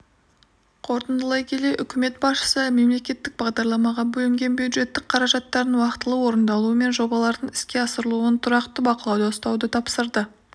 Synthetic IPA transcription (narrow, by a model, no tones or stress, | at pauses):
qʰo̞ɾt̪ənd̪əlˠɑjkʲʰe̞le̞ʔʏkʲɪme̞t̪̚bɑsʃə̥səme̞mle̞kʲe̞t̪ːɪk̚bɑʁd̪ɑɾlˠɑmɑʁɑbɵlɪŋɡʲe̞nbjud̪ʒe̞t̪ːɪk̚qʰɑɾɑʒɑt̪ːɑɾənwɑqt̪əlˠəwo̞ɾənd̪ɑlˠuəme̞nʒo̞bɑlˠɑɾd̪əɴɪskʲe̞ɑsəɾəlˠuənt̪ʰʊɾɑqt̪əbɑqəlˠɑwd̪ost̪ɑwd̪ət̪ʰɑpsəɾd̪ə